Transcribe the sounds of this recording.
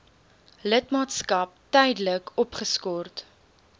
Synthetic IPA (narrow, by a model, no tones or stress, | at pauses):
lətmɑːtskɐp̚tɛjdələkɔpχəskɔrt